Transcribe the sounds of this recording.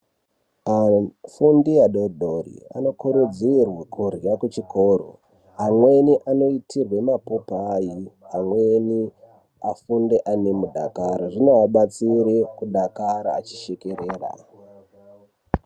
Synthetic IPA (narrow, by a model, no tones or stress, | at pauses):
afundijaɗodʱorḭa̰no̞kuɾud͡zirwakʰurjakut͡ʃiko̞ːɾo̰ | amwe̞niʔano̞itʰirwe̞mapopːjiɦamwe̞ni | afundeʔane̞muɗa̰kaɾaʐinoaɓat͡siɾekuɗakaɾa̰ːt͡ʃi̥ʃekereːra̰